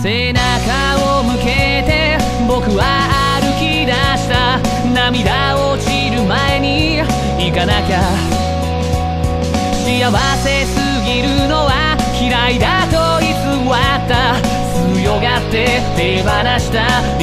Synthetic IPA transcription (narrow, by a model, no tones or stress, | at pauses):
se̞naka | omɯ̟ke̞ | t̪e̞ | bo̞kɯ̟βaː | ɾɯ̟kʲid̪aɕi̥t̪a | namʲid̪a | o̞t͡ɕiɾɯ̟mae̞ɲ̟i | ikanaka | ijaβase̞sɨɡʲiɾɯno̞βa | kʲiɾaid̪at̪o̞isɨmat̪ːa | sɨ | jo̞ɡat̪ːe̞ | t̪ebanaɕi̥t̪a